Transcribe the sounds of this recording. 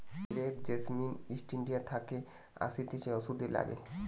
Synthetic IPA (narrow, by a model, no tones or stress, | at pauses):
ɾetd͡ʑesminisʈiɳɖijat̪ʰake | a̰sit̪iʃeɔsud̪ela̰ɡḛ